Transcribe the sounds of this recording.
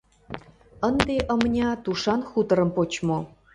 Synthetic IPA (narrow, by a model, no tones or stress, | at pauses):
ənd̪eʔə̆mnʲɑt̪uʃɑnxut̪ɤ̆ɾə̆mpot͡ɕmo